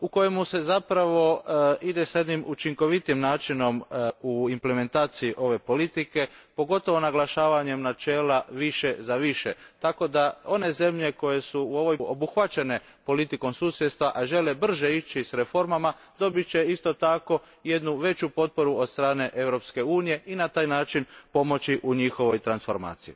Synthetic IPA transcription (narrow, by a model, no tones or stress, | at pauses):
uko̞jemuse̞zapɾaʋo̞id̪e̞saje̞d̪nimut͡ʃiŋko̞ʋit̪imnaːt͡ʃino̞muimple̞me̞nt̪aːt̪sijiʔo̞ʋe̞po̞lit̪ike̞po̞ɡo̞t̪o̞ʋo̞naɡlaʃaːʋaɲe̞mnat͡ʃe̞ːlaʋiʃe̞zaʋiʃet̪ako̞d̪ao̞ne̞ze̞mʎe̞ko̞je̞suuo̞ʋo̞jobuxʋat͡ɕe̞ne̞ | po̞lit̪iko̞msuːsjet̪st̪ʋaʔaʒe̞le̞br̩ʒeit͡ɕisɾe̞fo̞ɾmama | d̪o̞bit͡ɕe̞ist̪o̞t̪ako̞ | je̞d̪nuʋe̞t͡ɕupo̞t̪̚po̞ɾuod̪st̪ɾaːne̞ʔe̞ʋɾo̞pske̞uːnije̞inat̪aːjnaːt͡ʃinpo̞mo̞t͡ɕiʔuɲixo̞ʋo̞jt̪ɾansfo̞ɾma̰ːt̪sijḭ